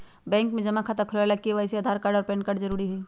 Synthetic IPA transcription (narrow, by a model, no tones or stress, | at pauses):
bɛ̃ːŋkmẽd͡ʒɐmakʰat̪ɐkʰlalakːiʋaseɐd̪ʱaːɾkaɾɖəɔːɾpɛ̃ːɳkɐɾɽzɐɾuːɾiɦɛː